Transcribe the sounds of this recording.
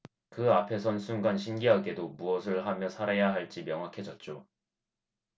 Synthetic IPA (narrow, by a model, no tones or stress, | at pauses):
kɯapʰe̞sʰʌnsʰuŋɡanɕʰinɡiɦaɡe̞domuʌsʰɯɭɦamjʌsʰaɾajaɦaɭt͡ɕ͈imjʌŋɦwakʰe̞d͡ʑʌt̚t͡ɕ͈o